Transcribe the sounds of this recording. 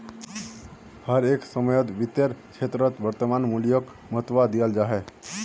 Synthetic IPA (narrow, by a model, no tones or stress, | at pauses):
həɾeksəməjət̪ʋit̪jəɾt͡ʃʰet̪ɾət̪ʋəɾt̪əmanmulijək | məɦt̪ʋad̪ijəld͡ʒaɦɛ